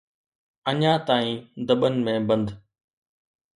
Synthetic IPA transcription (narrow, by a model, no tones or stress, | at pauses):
əɲãːt̪aːĩːd̪əɓənɪ̆mẽːbə̃nd̪